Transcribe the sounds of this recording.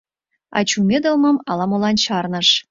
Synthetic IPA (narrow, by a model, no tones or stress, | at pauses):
ɑ̰t͡ɕumʲed̪əlmə̆mɑlɑmolɑnt͡ɕɑrnəʃ